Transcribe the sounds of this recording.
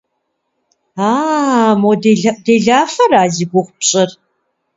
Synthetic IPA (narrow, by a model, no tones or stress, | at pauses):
aːmɔdeɮdeːɮaːfɐɾaːziːɡʷʊχʷʊpɕʼɐr